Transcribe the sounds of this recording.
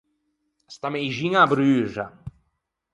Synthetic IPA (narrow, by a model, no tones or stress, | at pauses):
st̪amejʒiŋabɾyːʐa̰